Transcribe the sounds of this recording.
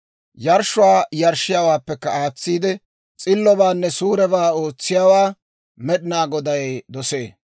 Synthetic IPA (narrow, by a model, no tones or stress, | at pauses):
jɐɾʃʊwaːjɐɾʃɪjawaːpːɛkːɐaːt͡sːiːd̪ɪ | t͡sʼɪlːɔbaːnːɛsuːɾɛbaːoːt͡sːɪjawaː | mɛɗɪnaːɡɔd̪ɐjd̪ɔse̞ː